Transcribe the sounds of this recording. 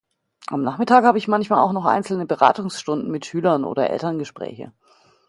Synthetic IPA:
ʔamnaːχmɪtʰaːkhaːbəɪçmançmaːla̰ʊxnɔχʔa̰ɪnt͡sl̩nəbəʁa̰ːtʊŋsʃtʊndn̩mɪtʃyːlɐnʔo̰ːdɐʔɛ̰ltɐnɡəʃpʁ̥ɛ̰ːçə̰

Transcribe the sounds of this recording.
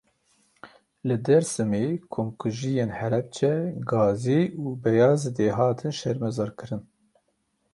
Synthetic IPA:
lɨd̪ɛɾsɨmeːkʰomkʰuʒijeːnhɛlɛb̚t͡ʃʰɛɡɑːziʔuːbɛjɑːzɨd̪eːɦɑːt̪ʰɨnʃɛɾmɛzɑɾkʰɨɾɨn

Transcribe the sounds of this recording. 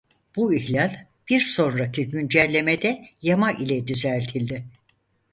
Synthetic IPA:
b̥uiçlʲalʲ | b̥iɾso̞nɾacʰiɟynd͡ʒɛɾlʲe̞med̪ɛjamaʔilʲɛd̪yzælʲt̪ʰilʲd̪ɪ

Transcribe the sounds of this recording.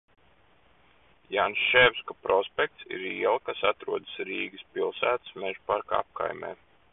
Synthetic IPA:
jansʃɛwskɔpɾʔɔspʲɛk̚t̪sḭɾiɛlˠkasat̪ɾuɔd̪əsɾiːɡɨspilˠsæːt̪ɨ̥smeʒpaɾka̰a̰p̚ka̰jmʲḛː

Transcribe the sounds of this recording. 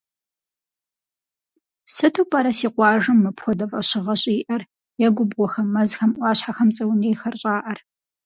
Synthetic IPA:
sɨtʰuːpʼaɾɐsiːqʷɑːʒɨmːɐpxʷɔdɐvʼɐɕɪʁɐɕʼiːʔɐr | jɛɡʷʊbʁʷɔxɐmːɐzxɐmʔʷɑːɕħaxɐmt͡sʼɐwneːjxɐrɕʼaːʔɐr

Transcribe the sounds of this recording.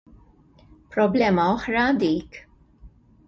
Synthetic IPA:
pɾɔblɛːmɐɔħɾɐd̪iːk

